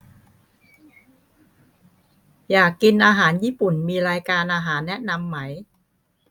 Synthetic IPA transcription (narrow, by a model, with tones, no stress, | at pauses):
jaː˨˩kːi˧nʔaː˧ɦaː˩˦njiː˥˩pu˨˩nmiː˧ɾaː˧jkaː˧nʔaː˧ɦaː˩˦nːɛ˦˥ʔna˧mːa˦˥j